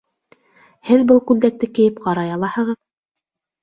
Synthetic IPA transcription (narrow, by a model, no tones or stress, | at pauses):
hɘðbɤlˠkʉld̪æk̚t̪ɘkɘ̆jɘpqɑɾɑjɑlˠɑhɤ̆ʁɤð